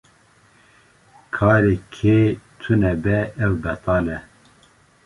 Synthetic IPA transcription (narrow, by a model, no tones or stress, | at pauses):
kʰɑːɾeːkʰeːt̪ʰɨnɛbɛɛwbɛt̪ɑːlɛ